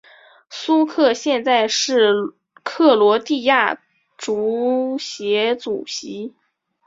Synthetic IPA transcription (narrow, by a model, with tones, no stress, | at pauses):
su˥kʰɤ˥˧ɕjɛ˥˧nt͡sa˥˧ɪʂɻ̩˥˩ | kʰɤ˥˩lwɔ˧˥t̪i˥˧ja˥˩ | ʈ͡ʂu˧˥ɕjɛ˧˥t͡su˨˩ɕi˧˥